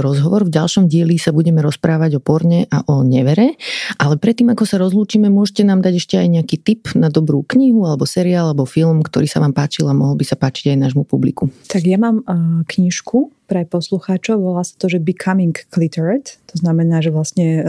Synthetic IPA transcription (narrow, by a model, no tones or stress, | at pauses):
ɾɔzɦɔʋɔɾvɟalˠʃɔmɟɪɛlisabuɟɛmɛɾɔspɾaːʋaɟɔpɔɾɲɛʔaʔɔɲɛʋɛɾɛʔalɛpɾɛt̪ːiːmakɔsaɾɔzluːt͡ʃiːmɛmʊɔʒɛcɛnaːmd̪aɟɛʃcɛajɲɛakiːt̪ipnad̪ɔbɾuːkɲiɦualɛbɔsɛɾiaːlaɛbɔfilmkt̪ɔɾiːsaʋaːmpaːt͡ʃilamɔɦɔlbisapaːt͡ʃi̥ɟajnaːʒmupublikut̪aɡjamaːmkɲiʃkʰupɾɛpɔsluxaːt͡ʃɔʊʋɔlaːsḁt̪ɔʒɛbikʰamiŋkːlit̪ɛɾɛt̪ːɔznamɛnaːʒɛʋlasɲɛ